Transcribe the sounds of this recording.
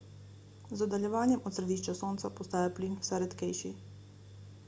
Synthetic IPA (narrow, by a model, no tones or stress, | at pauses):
zɔd̪aljɛʋaːnjɛmɔt̪sɾɛd̪iːʃt͡ʃasoːnt̪sapɔst̪aːjapliːnfsajɾɛt̪kɛjʃḭ